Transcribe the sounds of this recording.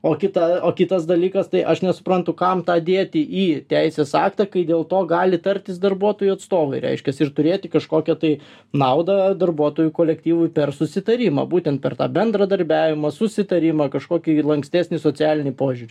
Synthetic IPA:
oːkʲɪt̪ɐoːkʲɪt̪ɐsd̪ɐlʲiːkɐst̪ɐɪʔɐʃnʲɛsʊ̥pɾɐnt̪ʊkɐmt̪ɑːd̪ʲeːt̪ʲɪʔiːt̪ʲɛɪsʲeːsɑːkt̪ɑkɐɪd̪ʲeːlˠt̪oːɡɑːlʲɪt̪ɐɾʲt̪ʲɪsd̪ɐrbuɔt̪oːjuɐt̪st̪oːʋɐɪɾʲɛ̰ɪʃʲkʲɛsɪrt̪ʊɾʲeːt̪ʲɪkɐʃkoːkʲɛt̪ɐɪ | nɐʊd̪ɐd̪ɐrbuɔt̪oːjʊkoːlʲɛkt̪ʲiːʋʊjpʲɛrsʊsʲɪt̪ɐɾʲimɐ̰ːbuːt̪ʲɛnt̪pʲɛrt̪ɑ̰ːbʲɛnd̪ɾɐd̪ɐɾʲbʲæːʋʲɪmɐsʊsʲɪt̪ɐɾʲimɐːkɐʃkoːkʲilˠɐŋksʲt̪ʲæːsʲnʲɪsoːt͡sʲɪæːlʲɪnʲɪpoːʒʲʊɾʲɪ

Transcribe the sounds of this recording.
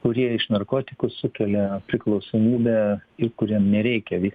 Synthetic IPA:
kʊɾʲiɛɪʃnɐrkoːt̪ʲɪkʊsʊkʲɛlʲɛpʲɾʲɪklˠɒʊsoːmʲiːbʲɛːɪkʊɾʲiɛmnʲɛɾʲɛɪkʲɛʋʲiːk

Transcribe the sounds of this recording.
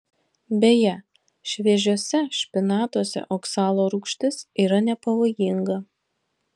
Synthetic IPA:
bʲejɛ | ʃʲʋʲiɛʒʲuɔsʲɛʃʲpʲɪnɑːt̪uɔsʲɛ̰ʔoːksɑːlˠoːɾukʃʲt̪ʲɪsiːɾɐnʲɛpɐʋoːjɪŋɡɐ

